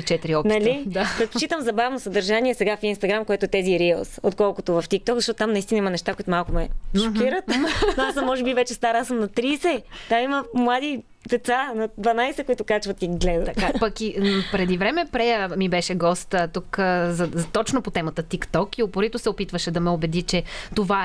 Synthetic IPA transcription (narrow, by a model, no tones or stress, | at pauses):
it͡ʃɛt̪iɾiɔpnɐlid̪apɾɛt̪̚pot͡ʃit̪əmzɐbavnosɐd̪ɐɾʒaniɛsɛɡafinst̪ɐɡɾamkoɛt̪oɛt̪ɛziɾiəlˠso̰t̪kɔlˠkʊt̪ʊvɐft̪ik̚t̪ɔkzɐʃɔt̪ʊt̪amnɐist̪inimɐnɛʃt̪akoit̪ʊmalˠkʊmɛʃokʲiɾət̪oasəmːɔʒɛbivɛt͡ʃɛst̪aɾasəmnɐt̪ɾiːsɛt̪amiməmlˠad̪i | d̪ɛt̪sanɐd̪vɐnajsɛkoit̪ʊkat͡ʃvɐt̪iɡlɛd̪ə̰t̪ɐt̪apɐkipɾɛd̪ivɾɛmɛpɾɛjəmibɛʃɛɡɔst̪ət̪ukzɐzt̪ɔt͡ʃnopot̪ɛmɐt̪ət̪ikt̪ɔkiopoɾit̪ʊsɛopit̪vəʃɛd̪ɐmɛobɛd̪it͡ʃɛt̪ova